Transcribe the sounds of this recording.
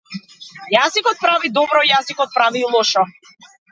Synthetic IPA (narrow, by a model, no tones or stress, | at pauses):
jazikɔt̪̚pɾavid̪ɔbɾɔijazikɔt̪̚pɾavilˠɔʃɔ